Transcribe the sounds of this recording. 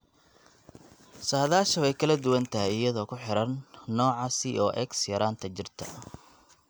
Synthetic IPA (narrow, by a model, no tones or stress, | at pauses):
saːðaːʃɐwɛjkʰɐlɐd̪ʊwɐnt̪ʰɐɦɛjɪjɐðɔːkʰʊħɪɾɐnːɔːʕɑsiʔɔːʔɛksjɐɾaːnt̪ʰɐt͡ʃɪrt̪ʰɐ̰